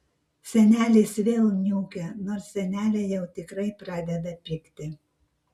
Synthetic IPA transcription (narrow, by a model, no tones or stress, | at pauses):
sʲɛnʲæːlʲeːsʋʲeːlˠnʲuːkʲɛnoːɾsʲsːʲɛnʲæːlʲɛjɛʊt̪ʲɪkɾɐɪpɾɑːd̪ʲɛd̪ɐpʲɪkʲt̪ʲɪ